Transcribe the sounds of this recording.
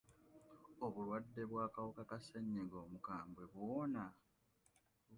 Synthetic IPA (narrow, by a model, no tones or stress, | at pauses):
o̞βulwadːe̞βwaːkawokakaseɲːeɡo̞ːmukaːmbwe̞βwoːna